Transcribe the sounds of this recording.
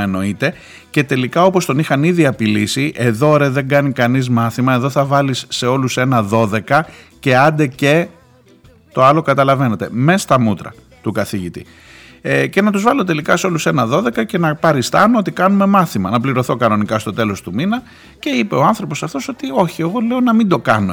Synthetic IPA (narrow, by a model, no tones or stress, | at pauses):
eno̞it̪e̞ | ce̞t̪e̞likɐo̞po̞st̪o̞nixɐniðiɐpilisiʔe̞ðo̞ɾeðe̞ŋɡɐnikɐnizmɐθimɐe̞ðo̞θɐvɐlisːe̞o̞luse̞nɐðo̞ðe̞kɐ | ce̞ɐnd̪e̞ce̞ | t̪o̞ɐlo̞kɐt̪ɐlɐve̞ne̞t̪e̞̰mest̪ɐmut̪ɾɐ̰ | t̪ukɐθiʝit̪ḭ | ece̞nɐt̪uzvɐlo̞t̪e̞likɐseo̞luse̞nɐðo̞ðe̞kɐce̞nɐpɐɾist̪ɐnoot̪ikɐnume̞mɐθimɐnɐpliɾo̞θo̞kɐno̞nikɐst̪o̞t̪e̞lo̞st̪uminɐ | ce̞ipe̞oɐnθɾo̞po̞sɐft̪o̞so̞t̪io̞çie̞ɣo̞le̞onɐmind̪o̞kɐno̞